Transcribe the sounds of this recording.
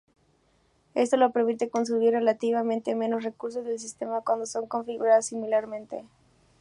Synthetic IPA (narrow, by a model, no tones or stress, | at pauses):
e̞st̪o̞lope̞ɾmit̪eko̞ns̬uβirre̞lat̪iβamẽnt̪e̞mẽ̞no̞sre̞kuɾs̬o̞zðe̞ls̬ist̪e̞makwand̪o̞so̞ŋko̞ɱfiɣuɾaðosimilaɾmẽ̞nt̪ḛ